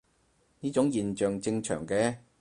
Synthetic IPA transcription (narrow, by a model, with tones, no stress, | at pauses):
niː˥t͡ʃʊ˨˥ŋjiː˨nt͡ʃœː˨ŋt͡sɪ˧ŋt͡ʃʰœ̰ː˨˩ŋkɛː˧